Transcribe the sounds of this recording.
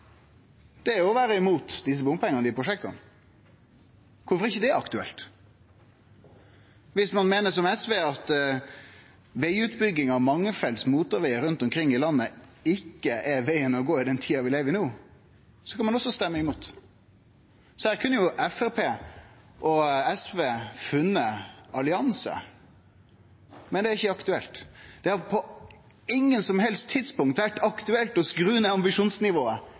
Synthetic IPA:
d̪̥ɛʊɔʋæːɾəɪmuːt̪d̪ɪs̬əbʊmpʰɛŋːənəd̪ɪpʰɾʊʂɛkt̪ɑ̰n | kʰʊɾfɔɾɛɪçːəd̪ɛæɾɑkt̪ʉɛ̰lt̪ | ʋɪsmɑnmeːnəʂɔmɛsʋeːɑt̪ | ʋæɪʉːt̪bʏɡːɪŋɑmɑŋːəfɛlsmuːt̪ɔɾʋæɪəɾʉnt̪ɔmkʰɾɪŋːɪlɑnːəɪkːəʔɛɾʋæɪənɔɡoːɪd̪ɛnt̪ʰiːɑʋɪleːʋəɾɪnoː | sɔ̥kʰɑnmɑnɔsːɔst̪ɛmːəɪmuːt̪ | sɔhæːɾkʰʉnːəjʊʔɛfæɾpʰeː | ʔɔɛsʋeːfʉnːəɑlɪɑnsə̰ | mɛnd̪ɛæɾɪçəɑkt̪ʉɛlt̪d̪̥ɛhɑɾpʰɔ | ɪŋːənsɔmɦɛlst̪ʰːɪd̪spʊŋkt̪ʋæʈːɑkt̪ʉɛlt̪ɔskɾʉːnəɑmbɪʂuːnsnɪʋoːə

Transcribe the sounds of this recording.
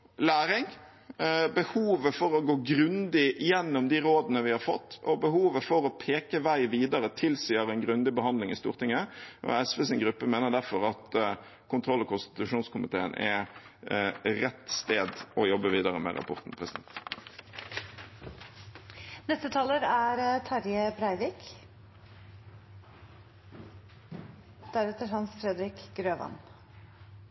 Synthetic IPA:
læːɾɪŋ | bəhuːʋəfɔɾɔɡoːɡɾʉnd̪ɪjɛnːɔmd̪iɾoːd̪ənəʋɪhɑɾfɔ̰t̪ːɔbəɦuːʋəfɔɾɔpʰeːkəʋæɪʋiːd̪ɑɾət̪ʰɪlsiːəɾɛnɡɾʉnd̪ɪbəhɑnd̪lɪŋɪst̪ṵːʁt̪ʰɪŋːəʔɔ̰ɛsʋɛsɪnɡʁʉpːəmeːnəʁd̪æɾfɔɾɑt̪ | kʰʊnt̪ʰʁɔlːɔkʰʊnst̪ɪ̥t̪ʉʂuːnskʊmɪt̪ʰeːənʔɛ̰ | ʁɛt̪ːst̪eːd̪ɔjɔbːəʋiːd̪ɑʁəmɛ̰ʁɑ̰pʰɔʁt̪n̩pʰʁɛsɪd̪ɛ̰nt̪ | nɛst̪ət̪ʰɑːləɾæɾt̪ʰɑɾjəbɾæɪʋiːk | d̪̥æɾɛt̪ːəhɑnsfɾɛd̪ɾɪkɡɾøːʋɑ̰n

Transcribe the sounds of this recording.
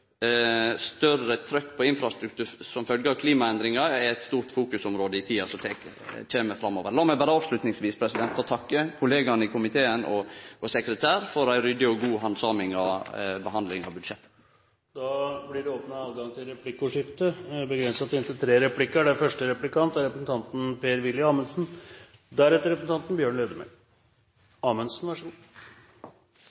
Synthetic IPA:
st̪œrət̪ʰɾœkːpʰɔɪnfɾɑst̪ɾʉk̚t̪ʰʉːɾsɔmfœlɡəɑʋkʰliːmɑɛnd̪ɾɪŋɑɛɾɛt̪st̪uːɾt̪fuːkʉsɔmɾoːd̪əɪt̪ʰiːɑsɔt̪ʰeːk | t͡ʃʰeːməfɾɑmːoːʋəɾlɑːmæɪbæːɾəɑːʋʂlʉt̪nɪŋsʋiːspʰɾɛsɪd̪ɛnt̪ʰːɑːt̪ʰɑkːəkʰʊleːɡɑnəɪkʰʊmɪt̪ʰeːənʔɔɔsɛkɾət̪ʰæːɾfɔɾæɪɾʏd̪ɪɔɡuːɦɑnsɑːmɪŋɑ̰ʋbəɦɑnd̪lɪŋɑ̰ʋbʉd̪ʂɛt̪ːə̥ | d̪ɑːblɪɖɛoːpnɑɑːʋɡɑŋt̪ʰɪlɾɛpʰlɪkːʊʂɪft̪əbəɡɾɛnsɑt̪ɪnt̪ɪlt̪ʰɾeːɾɛpʰlɪkːəɖɛfœʂʈəɾɛplɪkʰɑnt̪æɾɛpɾəsn̩t̪ʰɑnt̪n̩pʰeːɾʋɪlːjəɑːmənsn̩ | d̪æɾɛt̪ːəɾɛpəsn̩t̪ʰɑnt̪n̩bjøːɳleːd̪əmɛ̰ | ɑːmənsnʋæʂuː

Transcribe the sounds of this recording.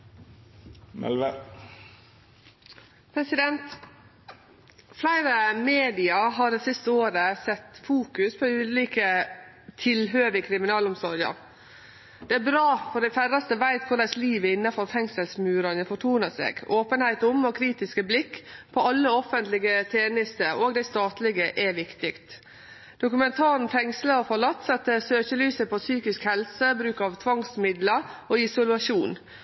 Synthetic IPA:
mɛ̰lʋə | pʰɾɛsɪd̪ɛnt̪ | flæɪɾəmeːd̪ɪɑɦɑːɾɛsɪst̪əoːɾəsɛt̪ːfuːkʉspʰɔʉːliːkət̪ʰɪlɦøːʋɪkʰɾɪmɪnɑːlʊmsɔɾɡɑ̰ɾ | d̪̥ɛæɾbɾɑːfɔɖ̪æɪfærɑst̪əʋæɪt̪kʰʊɾɖ̪ɛsliːʋəɪnːɑfɔɾfɛŋsəlsmʉːɾɑnəfɔʈʰuːnəsḛːɡoːpənhæɪt̪ʊmɔkʰɾiːt̪ɪskəblɪkːpʰɔɑlːəɔfənt̪lɪɡət̪ʰeːnɪst̪əoːɡd̪æɪst̪ɑːt̪lɪɡəʔɛʋɪkt̪ɪkt̪ | dd̪ʊkʉmɛnt̪ʰɑːɾn̩fɛŋsləɔfɔɭɑt̪ːsɛt̪ːəsøːçəlyːsəpʰɔsyːkɪskhɛlsəbɾʉːkɑʋt̪ʰʋɑŋsmɪd̪ləoːɪsʊlʉɑʃuːn

